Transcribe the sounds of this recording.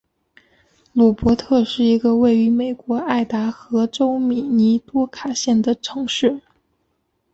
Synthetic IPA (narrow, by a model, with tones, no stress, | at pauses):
lu˨˩pwɔ˧˥t̪ʰɤ˥˧ʂɻ̩˥˩i˧˥ɡə˧we˥˩ɪy˧˥me˨˩ɪkwɔ˧˥a˥˩ɪt̪a˧˥xɤ˧˥ʈ͡ʂo˥ʊmi˨˩ni˧˥t̪wɔ˥kʰa˨˩ɕjɛ˥˩nd̪ə˩ʈ͡ʂʰɤ˧˥ŋʂɻ̩˥˩